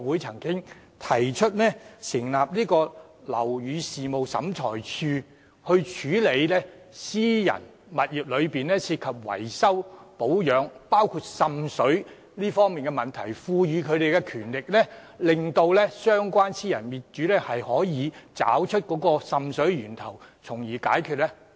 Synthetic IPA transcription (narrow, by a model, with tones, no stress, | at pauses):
wu˨˥jt͡sʰɐ˨˩ŋkɪ˥ŋ | t̪ʰɐ˨˩jt͡ʃʰɵ˥t̚lɛː˥sɪ˨˩ŋlaː˨p̚liː˥kɔː˧ | lɐ̰˨˩wjyː˨˧siː˨mo˨wsɐ̰˨˥mt͡sʰɔ̰ː˨˩jt͡ʃʰyː˧ | hɵ˧ɥt͡ʃʰyː˨˥le˨˧jlɛː˥ | siː˥jɐ̰˨˩n | mɐ˨t̚jiː˨p̚lɵ˨˧ɥpiː˨nlɛː˥siː˧t̚kʰɐ˨p̚wɐ̰˨˩jsɐ˥wpo˨˥wjœː˨˧ŋpaː˥wkʰu˧t̚sɐ˨˧msɵ˨˥ɥ | liː˥fɔː˥ŋmiː˨nkɛ˧mɐ˨nt̪ʰɐ˨˩jfuː˧jyː˨˧kʰɵ˨˧ɥt̪e˨jkɛ˧kʰyː˨˩nlɪ˨k̚lɛː˥lɪ˨˩ŋt̪o˧wlɛː˥sœː˥ŋkʷaː˥nsiː˥jɐ˨˩nmiː˨˩t̚t͡ʃyː˨˥lɛː˥hɐ˨jhɔː˨˥jiː˨˧t͡sa̰ː˨˥wt͡ʃʰɵ˥t̚kɔː˨˥kɔː˧sɐ˨msɵ˨˥ɥɥyː˨˩nt̪ʰɐ˨˩wt͡sʰʊ˨˩ŋjiː˨˩kaː˨˥jkʰy˧t̚lɛ˥